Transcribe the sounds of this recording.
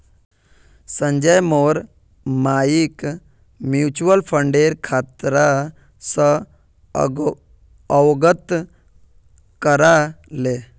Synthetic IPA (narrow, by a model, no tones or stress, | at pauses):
sə̃ɲd͡ʒəjmoːɾ | maːjik | mjut͡ʃuəlpʰəɳɖeːɾkʰaːt̪ɾa | sə | əwɡət̪ | kəɾale